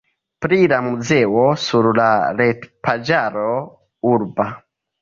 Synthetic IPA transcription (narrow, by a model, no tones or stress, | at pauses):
pɾilamud͡zɛwɔsuɾlalɛtpʰad͡ʒaɾo | uɾba